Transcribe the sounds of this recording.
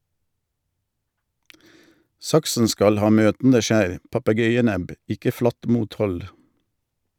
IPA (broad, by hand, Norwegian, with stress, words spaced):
ˈsɑksn̩ ˈskɑl ˈhɑː ˈmøːtn̩də ˈʃæːɾ pɑpəˈɡœʏəˌnɛb ˈɪkə ˈflɑt ˈmuːtˌhɔl